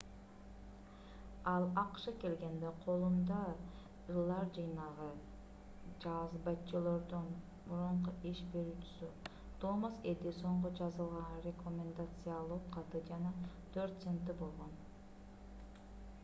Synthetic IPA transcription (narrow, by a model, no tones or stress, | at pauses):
ɑlˠɑqʃɯke̞lɡe̞nd̪eqʰo̞lˠumd̪ɑ | ɯlˠɑɾd͡ʒɯjnɑʁɯ | d͡ʒɑzbɑt͡ʃːɯlˠoɾd̪un | buɾuɴquʔiʃbe̞ɾyːt͡ʃy̥sy | t̪oməse̞ld̪iso̞ɴʁod͡ʒɑzɯlˠʁɑnrʲeko̞mʲend̪at̪sɨjalˠuqqʰɑt̪ɯd͡ʒɑnɑt̪ʰøɾt̪sent̪ɯbo̞lˠʁo̞n